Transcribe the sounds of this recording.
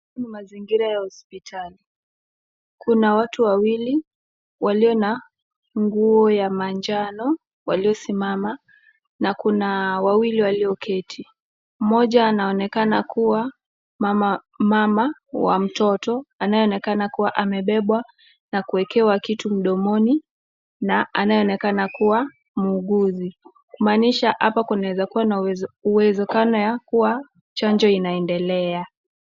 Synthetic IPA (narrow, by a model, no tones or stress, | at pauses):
nimaziŋɡiɾajahɔspitʰali | kʰunawatuwawili | waliɔna | ŋɡuɔjamaɲd͡ʒanɔ | wa̰liɔsimama | nakunawawiliwaliɔkʰɛtʰi | m̩mɔʄaːnaɔnɛkanakuwa | a | mamawa̰m̩tɔtɔanajɛɔnɛkanakuwaʔamɛɓɛɓwa | nakuɛkɛwakitum̩ɗɔmɔni | naanajɛɔnɛkanakuwa | muːɠuzi | kumaːniʃaʔapakunawɛzakuwanauwɛzɛkanɔjakuwa | t͡ʃand͡ʒɔinaɛndɛlɛa